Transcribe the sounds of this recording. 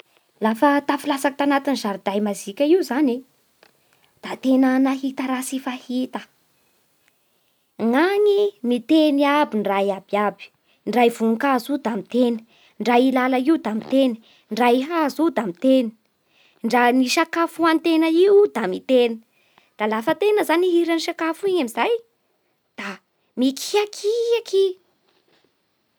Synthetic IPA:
lafət̪afilasakt̪anat̪inzaɾud̪ajmazikʲəiuzane | d̪̥at̪enənaɦit̪əɾasifahit̪ə | ŋaŋimit̪eniabinrajabiabi̥ | ɳɖ͡ʐajvuŋkazud̪amit̪enə̥ | ɳɖ͡ʐailalaiud̪amit̪eni̥ | ɳɖ͡ʐaiɦazud̪amit̪eni̥ | ɳɖ͡ʐaniʃakafuant̪enəiud̪amit̪en | d̪̥alafət̪enəzaniɦiɾaniʃakafuiɲamizaj | d̪̥a | mikʰi̥akʰiakʰi

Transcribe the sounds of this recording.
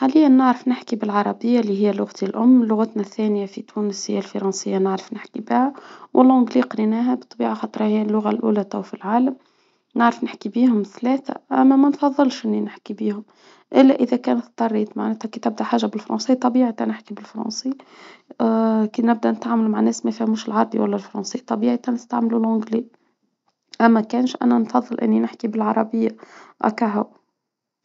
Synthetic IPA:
ħalɪjːænːəʕɾəfnɪħkibɪlʕɑɾˤɑbɪjːalːiɦɪjːælʊɣt̪ilʔʊmːlʊɣat̪næθːæːnjafit̪ʰuːnəsjælfɑɾˤɑnsɪjːanəʕɾə̥fnɪħkibaʕawʔəlʕʊɡliːqɾinæːɦæbət̪ˤːɑbiːʕaxɑt̪ˤɾˤɑhɪjælːʊɣalʔṵːlæt̪æwfilʕaːlam | nəʕɾəfnɪħkibiːhʊmθlæːθæ̰ʔæ̰mːæmænfɑðˤːɨlʃʔɪnːinɪħkibiːhʊm | ʔɪlːæʔəðækæːnt̪t̪ˤːɑrˤːiːt̪maʕnɛːt̪hækit̪ɪb̚d̪æħaːʒːabɪlfɾˤɑ̰nsˤiːt̪ˤːɑbiːʕit̪anɪħkibɪlfɾˤɑ̰nsˤi | kiːnɪb̚d̪ænɪt̪ʕaːməlmaʕnɛːsmæfiːhmuːʃɪlʕɑɾˤbiwælːælfɾˤɑnsˤiːt̪ˤːɑbiːʕit̪ænəst̪aʕmlulʕʊɡli | ʔæmːækæːnʃʔæ̰nænfɑðˤːɨlʔɪ̰nːinɪħkibɪlʕɑɾˤɑbɪjːaʔæ̰kaɦaw

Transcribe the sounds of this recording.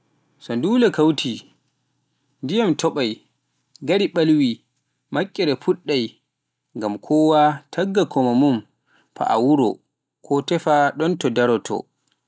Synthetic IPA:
sɔnduːlɛkawtʰi | ndijamtʰɔɓaj | ɡaɾiɓalwi | makʼːɛɾɛpuɗːaj | ŋɡamkʰɔwatʰaɡːakʰɔmamum | pa̰ʔa̰wuɾɔ̰ | kʰɔtɛfaɗɔntɔdaɾɔtʰɔ̰

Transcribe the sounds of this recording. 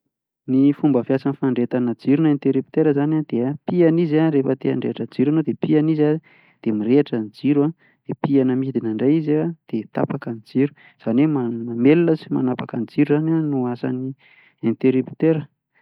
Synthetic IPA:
nifumbəfjasanifaɳɖ͡ʐet̪anəd͡ziɾunent̪eɾipi̥t̪eɾəzanad̪̥eapianizaɾefət̪ea̰ɳɖ͡ʐeaʈ͡ʂəd͡ziɾuanod̪epianiza | d̪̥emiɾeaʈ͡ʂənid͡ziɾua | d̪̥epianəmid̪inaɳɖ͡ʐajizad̪̥et̪a̰pakənid͡ziɾu̥ | z̥anwemamamelinəsima̰napakənid͡ziɾuzananuasa̰ni | ent̪eɾipi̥t̪eɾə

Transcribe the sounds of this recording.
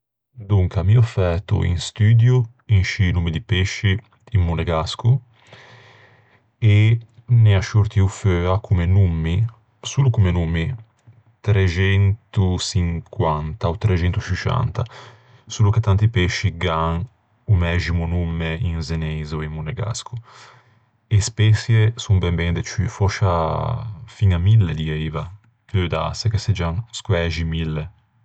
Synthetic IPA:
d̪uŋkamiɔfɛt̪ṵḭnst̪yːd̪ju | inʃiːnumid̪ipeʃːiː | mːunɛɡasku | enɛaʃuɾt̪iuføːakʰumenumːi | suːlukumenumi | t̪ɾet͡ʃɛnt̪usiŋkwant̪aot̪ːɾet͡ʃɛnt̪usit͡ʃa̰nt̪a̰ | suːluket̪ːant̪ipɛʃːiɡaŋ | umɛʒimunumːeinzeneːzoimmunɛɡa̰skʰu | espɛsjesumbɛmbɛnd̪et͡ʃyfɔʃa | fiŋamilːed̪iɛjva | klød̪a̰sekesed͡ʒaŋskwɛʒimilːe

